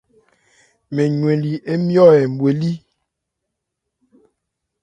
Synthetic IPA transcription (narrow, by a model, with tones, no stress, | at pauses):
me˨ɲwe˨li˨ʔe˦mjɔ˦ɛ˨m̩˨bwe˨li˦